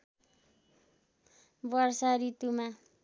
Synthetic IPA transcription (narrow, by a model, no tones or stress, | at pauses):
bʌrsaɾit̪uma